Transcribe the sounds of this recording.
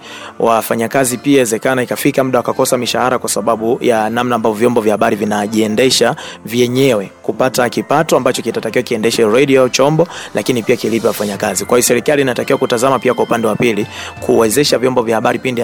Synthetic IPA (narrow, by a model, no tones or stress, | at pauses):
wafaɲakazipiawɛzɛkanaikafikam̩ɗawakakɔsamiʃahaɾakwasaɓaɓujanam̩naːmbavɔvjɔmbɔvjahaɓaɾivinaʄiɛndɛʃavjɛɲɛwɛkupatakipatɔambat͡ʃɔkitatakiwakiɛndɛʃɛɾɛɗiɔt͡ʃɔmbɔlʔakinipiakilipɛwafaɲakazikwahiɔsɛɾikaliːnatakiwakutazamapiakwaupandɛwapilikʰuwɛzɛʃavjɔmbɔvjahaɓaɾipindi